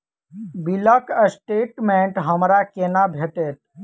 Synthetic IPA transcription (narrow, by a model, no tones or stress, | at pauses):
biləkəsʈeːʈmẽɳʈɦəmɾakenabʱeʈet̪̚